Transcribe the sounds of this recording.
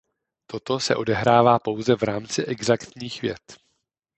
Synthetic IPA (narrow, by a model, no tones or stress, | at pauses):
t̪o̞t̪o̞sɛ̰ʔo̞dɛɦɾaːvaːpo̞wzɛvɾaːmt͡sɪʔɛɡzakt̪ɲiːxvjɛ̰t̪